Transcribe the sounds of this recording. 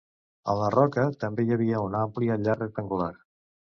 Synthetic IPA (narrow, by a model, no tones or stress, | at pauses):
ə̰llərɔkət̪əmbejəβ̞iəunampliəʎarək̚t̪əŋɡulaɾ